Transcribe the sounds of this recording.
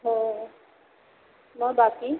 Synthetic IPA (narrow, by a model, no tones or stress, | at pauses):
ɦo | mɔjbaki